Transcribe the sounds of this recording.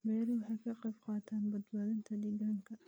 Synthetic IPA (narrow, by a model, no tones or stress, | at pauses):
mɛːɾɪwɑħɑjkʰɐqɑjbqɑːt̪ʰaːnbɐd̪baːðɪnt̪ʰɐd̪ɛɡaŋkʰɐ